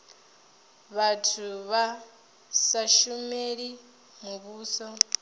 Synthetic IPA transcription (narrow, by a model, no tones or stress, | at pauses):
βatʰuβa | saʃumeɺi | muβuːsɔ